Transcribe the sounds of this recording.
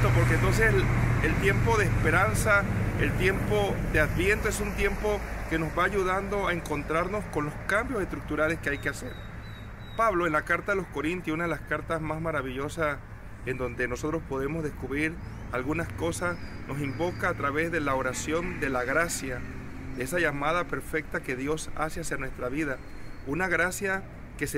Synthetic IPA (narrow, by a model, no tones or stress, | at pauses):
t̪opo̞ɾkent̪o̞ns̬eselt̪je̞mpo̞ð̞eːspe̞ɾansaelt̪je̞mpo̞ðe̞aðbje̞nt̪oesunt̪je̞mpo̞ke̞no̞zβaːʝuðand̪o̞aeŋko̞nt̪ɾaɾno̞sko̞nlo̞skambjo̞se̞st̪ɾuk̚t̪uɾale̞skeajkease̞̰ɾ | paβlo̞e̞nlakaɾt̪aðelo̞sko̞ɾint̪jsunað̞e̞laskaɾt̪azmazmaɾaβiʝo̞sas | e̞nd̪o̞nd̪e̞no̞so̞t̪ɾo̞spo̞ð̞e̞mozðe̞skuβɾiɾ | alɣunasko̞sas | no̞simbo̞kaːt̪ɾaβe̞zðe̞laoɾasjo̞nd̪e̞laɣɾasja | d̪eesaʝamaðape̞ɾfe̞k̚t̪ake̞ðjo̞sa̰seasjanwe̞st̪ɾaβiða | unaɣɾasja | ke̞s